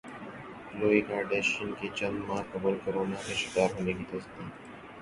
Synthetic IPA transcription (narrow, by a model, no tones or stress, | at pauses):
loːikaːɾɖeːʃənket͡ʃɐ̃nd̪mãːkɐbəlkɐɾoːnaːmẽʃɪkaːɾɦoːneːɡit̪ɐst̪iː